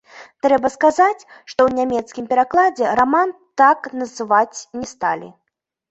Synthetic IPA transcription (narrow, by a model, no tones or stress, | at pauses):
t̪ɾɛbɐskazat͡sʲʂt̪ɔwnʲamʲɛt̪skʲimpʲɛɾaklˠad͡zʲɛɾaman | t̪aknɐzɨvat͡sʲnʲɛst̪a̰lʲḭ